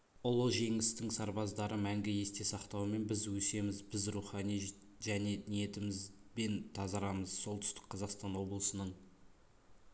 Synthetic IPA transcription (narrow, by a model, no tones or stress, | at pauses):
ʊlˠəʒe̞ŋɪst̪ɪŋsɑɾbɑzd̪ɑɾəmæŋɡʲɪje̞st̪e̞sɑqt̪ɑwəme̞nbɪzwɵse̞mɪzbɪzruχɑnij | ʒæne̞nije̞t̪ɪmɪzbe̞nt̪ʰɑzɑɾɑməz̥so̞lˠt̪ʏ̥st̪ɪ̥k̚qʰɑzɑqst̪ɑnwo̞blˠəsənəɴ